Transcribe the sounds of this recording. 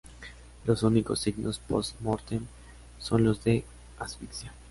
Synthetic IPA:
lo̞suniko̞sːiɡnospost̪moɾt̪em | so̞nlo̞zðe̞ | asfiksja

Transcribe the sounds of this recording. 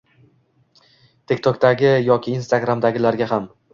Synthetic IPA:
t̪ʰekʲt̪ʰɒkd̪aɡʲɪjɒkʲʰɪːnst̪aɡɾamd̪aɡʲɪlaɾɡʲaɦam

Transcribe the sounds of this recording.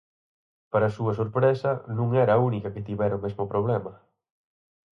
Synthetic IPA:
paɾɐsuɐsoɾpɾesɐnũŋɛɾɐːunikɐket̪iβɛɾɐʊmezmʊpɾoβ̞lɛmɐ

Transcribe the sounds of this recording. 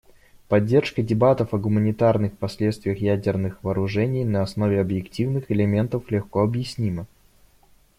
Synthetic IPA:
pɐdʲːe̞rʂkədʲɪbat̪əfɐɡʊmənʲɪt̪arnɨxpɐsʲlʲet̪st̪vʲɪjəxjædʲɪrnɨxvəɐːɾʊʐɛnʲɪjnəɐsno̞vʲɪɐbjɪktʲivnɨxɪlʲɪmʲe̞nt̪əflʲɪxkoɐbjɪsʲnʲimə

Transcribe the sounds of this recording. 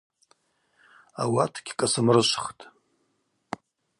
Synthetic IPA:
a̰watʰɡʲʰkʼasɨmrɨʃʷχtʼ

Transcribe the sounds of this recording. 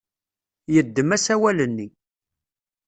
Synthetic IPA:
jəd̪ːəmæsæwælənːi

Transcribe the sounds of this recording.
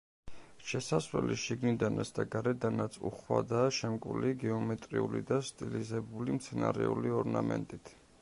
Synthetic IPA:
ʃɛsasvlɛ̰liʃiɡnid̪anasd̪ʰaɡaɾɛd̪anat̪sʰṵχwa̰d̪aːʃɛmkʼwliɡɛɔmɛt̪ʼɾiulḭd̪ast̪ʼilizɛbulimt̪sʰɛnaɾɛuliɔɾnamɛ̰nt̪ʼit̪ʰ

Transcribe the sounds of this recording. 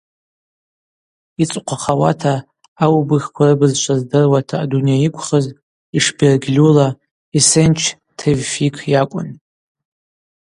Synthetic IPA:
it͡sʼqʷʰaχawa̰tʰaː | wbɨxʲkʷʰarɨbɨzʃʷʰazdɨrwatʰaːdunijajikʷʰχəz | iʂberɡʲlʲula | isent͡ʃʰ | tʰevfikʰjakʷʼʊ̰n

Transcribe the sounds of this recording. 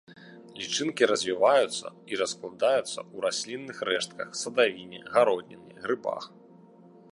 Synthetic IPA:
lʲit͡ʂɨnkʲiɾɐzʲvʲivajut̪sːɐ̰iɾɐsklˠad̪ajut̪sːɐ̰uɾasʲlʲinːɨxrɛʂt̪̚kɐxsɐd̪avʲinʲɛ̰ɣaɾɔd̪ʲnʲɛniɣɾɨba̰x

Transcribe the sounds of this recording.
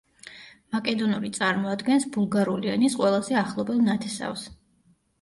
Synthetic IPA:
makʼɛd̪ɔnuɾit̪sʼaɾmɔad̪ɡɛnsbulˠɡaɾulianisqʼwɛlˠazɛaχlˠɔbɛlˠnat̪ʰɛsa̰fs

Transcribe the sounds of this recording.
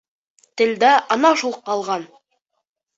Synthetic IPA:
t̪ɘ̆ld̪æʔɑnɑʃulˠqːɑlˠʁɑn

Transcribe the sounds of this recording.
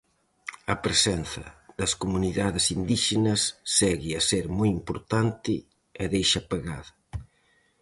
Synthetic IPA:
ɐpɾesɛn̟θɐ̰ðɐskomuniðaðɪsind̪iʃenɐsːɛɣɪɐseɾmujimpoɾt̪ant̪ɪ | ɛðejʃɐpeɣa̰ðɐ

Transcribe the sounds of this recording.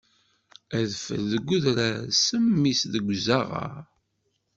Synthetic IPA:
æðfə̰lðəɡʷːuðɾæsəmːisðəɡʷzaʁa̰ɾ

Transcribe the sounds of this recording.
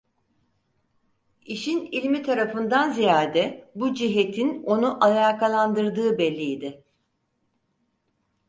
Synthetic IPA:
iʃinilʲmit̪ʰaɾafɯnd̪anzijaːd̪ɛbud͡ʒiɦet̪ʰino̞nuʔalʲaːkʰalˠand̪ɯɾd̪ɯːbɛlʲːijid̪ɪ

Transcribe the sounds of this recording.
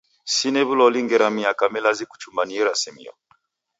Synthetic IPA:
sinɛβulɔliŋɡɛɾamiakamɛlaziku̥t͡ʃumbaniɛɾasimḭɔ̰

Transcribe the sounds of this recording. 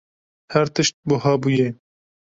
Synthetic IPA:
hæɾt̪ɨʃt̪̚bʊɦɑːbuːje

